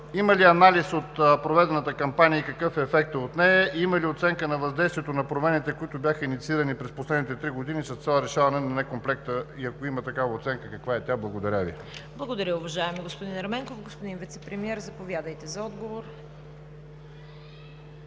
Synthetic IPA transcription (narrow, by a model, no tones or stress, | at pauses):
iməliɐnalisot̪pɾovɛd̪ɛnət̪əkɐmpanʲijəikɐkɤfɛːfɛk̚t̪əot̪nɛəiməliot̪sɛŋkənɐvɐzd̪ɛjst̪viɛt̪onɐpɾomɛnit̪ɛkoit̪ʊbʲjaxəinit̪siiɾɐnipɾɛsposlɛd̪nit̪ɛt̪ɾiɡod̪inʲisɐst̪salˠəɾɛʃavɐnɛnɐnɛkomplɛkt̪əiɐkoimət̪ɐkavəot̪sɛŋkəkɐkvaɛt̪ʲablˠɐɡod̪ɐɾʲavḭ | blˠɐɡod̪ɐɾʲəʊvɐʒaɛmiɡospʊd̪inɐɾmɛŋkofɡospod̪invit̪sɛpɾɛmiɛɾzɐpovʲjad̪əjt̪ɛzɐɔd̪ɡovoɾ